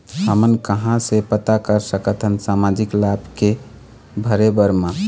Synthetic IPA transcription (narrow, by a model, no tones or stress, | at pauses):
həmənkəɦãsepət̪akəɾsəkət̪ʰənsamad͡ʒiklabke | bʱəɾebəɾmã